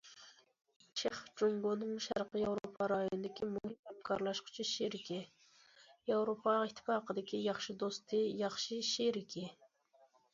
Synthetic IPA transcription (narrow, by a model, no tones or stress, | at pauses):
t͡ʃʰeχd͡ʒoŋɡonɨŋʃæ̰ɾqəjɑwɾopʰɑɾɑjoonɨd̪ɪkʲʰimuŋihɛmkʰɑɾlˠɑʃqʰʊ̥t͡ʃʰiʃeɾɪkʲɪ | jɑwɾopʰɑɪt̪ʰːɪ̥pɑːqəd̪ɪkʲʰijɑχʃɨd̪ost̪ʰɪjɑχʃiʃeɾɪkʲʰɪ